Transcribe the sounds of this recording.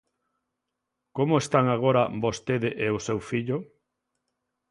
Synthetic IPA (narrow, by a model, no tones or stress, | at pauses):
komoest̪aŋaɣ̞oɾabost̪eðeʔeʊsewfiʎʊ